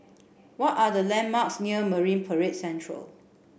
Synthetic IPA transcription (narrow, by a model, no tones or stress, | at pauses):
wɔtadəlɛ̃nmaksniəməɹĩnpʰəɹet̚sɛ̃ntʰɹə̰l